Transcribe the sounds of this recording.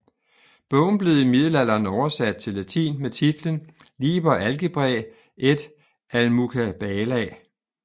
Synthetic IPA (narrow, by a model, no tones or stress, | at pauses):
b̥ɔ̽ʊ̰n̩b̥le̝ð̩ˠimiðˠəlæl̰ɐːnɒʊɐsæd̥̚t͡sʰe̝lːæt͡sʰḭːnmet͡sʰid̥lən | lḭːb̥ɐʔælɡ̥əb̥ʁɛ | ʔed̥ | ælmukʰæb̥ɛlɛ